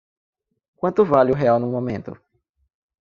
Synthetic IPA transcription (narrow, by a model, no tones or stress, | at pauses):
kwɐ̃nt̪ʊvaliʊɦɛawnũmõmẽnt̪ʊ̰